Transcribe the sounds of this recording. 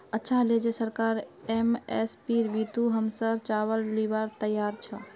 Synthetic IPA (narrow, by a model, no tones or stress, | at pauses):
ətːʃʰaled͡ʒesəɾkaɾemespiɾbit̪uɦəmsət͡ʃaβəlːibaɾt̪əjːaɾt͡ʃʰə